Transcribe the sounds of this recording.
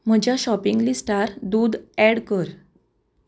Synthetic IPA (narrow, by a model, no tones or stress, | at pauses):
m̤əd͡ʑjaɕɔpiŋɡlisʈaɾd̪ud̪ɛɽkəɾ